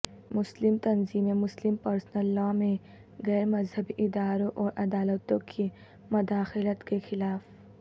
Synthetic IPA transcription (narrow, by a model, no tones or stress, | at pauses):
mʊslɪmt̪ɐnziːmemʊslɪmpɐɾsnəlːaːmẽ | ɣɛːɾmɐzhɐbiʔɪd̪aːɾõʔɔːɾʔɐd̪aːlət̪õkʰi | mʊd̪aːxɪlət̪kexɪlaːf